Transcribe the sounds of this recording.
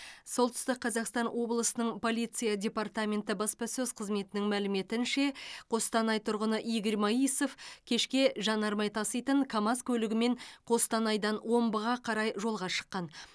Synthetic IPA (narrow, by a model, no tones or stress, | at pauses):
so̞lˠt̪ʰʏ̥st̪ɪq̚qːʰɑzɑqst̪ɑnwo̞blˠəsənəɴpʰo̞lʲˠijt̪sɨjadʲe̞part̪amʲe̞nt̪ɪbɑspɑsɵzqʰəzme̞t̪ɪnɪŋmælɪme̞t̪ɪnʃe̞qʰo̞st̪ɑnɑjt̪ʰʊɾʁənəʔijɡʲɪɾmoiso̞fkʲʰe̞ʃkʲe̞ʒɑnɑɾmɑjt̪ʰɑsijt̪əɴkʰɑmɑskʲʰɵlɪɡʲɪme̞ɴqʰo̞st̪ɑnɑjd̪ɑnwo̞mbəʁɑqʰɑɾɑjʒo̞lˠʁɑʃə̥qːɑn